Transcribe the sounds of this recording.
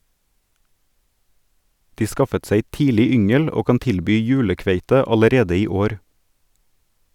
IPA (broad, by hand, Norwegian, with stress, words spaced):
ˈdiː ˈskɑfət ˈseɪ ˈtiːlɪ ˈʏŋəl ˈoː ˈkɑn ˈtɪlbyː ˈjʉːləˌkʋeɪtə ɑləˈɾeːdə ˈiː ˈoːɾ